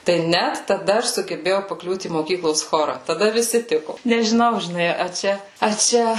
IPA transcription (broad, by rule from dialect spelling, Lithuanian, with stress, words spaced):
tɐɪ ˈnʲæt tɐˈdɐ ˈɐʃ sʊɡʲɛˈbʲeːjɛʊ pɐˈklʲuːt iː moːˈkʲiːklˠoːs ˈxoːrɐ tɐˈdɐ ʋʲɪˈsʲɪ ˈtʲɪkʊ nʲɛʒʲɪˈnɐʊ ʒʲɪˈnɐɪ ɐ ˈt͡ʃʲɛ ɐ ˈt͡ʃʲɛ